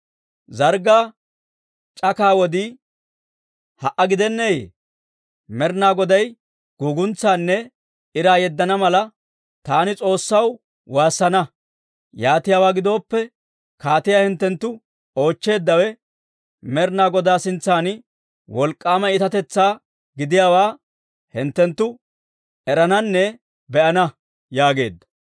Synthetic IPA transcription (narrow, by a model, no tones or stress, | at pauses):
zɐɾɡaː | t͡ʃʼɐkaːwɔd̪ɪ | hɐʔɐɡɪd̪ɛnːejḛ | mɛɾnaːɡɔd̪ɐj | ɡ̥uːɡʊnt͡sːaːnːɛ | ɪɾaːjɛd̪ːɐnɐmɐlɐ | t̪aːnɪt͡sʼo̞ːsːɐw | waːsːɐnɐ | jaːt̪ɪjaːwaːɡɪd̪o̞ːpːɛ | kaːt̪ɪjaːhɪnt̪ːɛnt̪ːʊ | o̞ːt͡ʃːe̞ːd̪ːɐwɛ | mɛɾnaːɡɔd̪aːsɪnt͡sːaːn | wɔlkʼːaːmɐɪt̪ɐt̪ɛt͡sːaː | ɡɪd̪ɪjaːwaː | hɪnt̪ːɛnt̪ːʊ | ɛɾɐnɐnːɛ | bɛʔɐnɐ | jaːɡe̞̰ːd̪ːɐ̥